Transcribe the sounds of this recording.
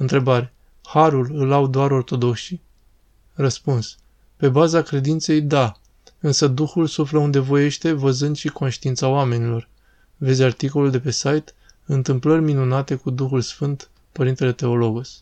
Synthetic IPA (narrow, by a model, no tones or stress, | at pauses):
ɨnt̪ɾe̞baɾʲe | haɾulɨlawd̪oaɾo̞rt̪o̞d̪o̞kʃi | rəspuns | pe̞bazakɾe̞d̪int̪se̞jd̪a | ɨnsəd̪uxulsufləund̪e̞vo̞je̞ʃt̪e̞vəzɨnd̪ʃiko̞nʃt̪iint̪saoame̞nilo̞r | ve̞zʲart̪iko̞luld̪e̞pe̞sajt̪ | ɨnt̪ɨmplərʲminunat̪e̞kud̪uxulsfɨnt̪ | pəɾint̪e̞le̞t̪e̞o̞lo̞ɡus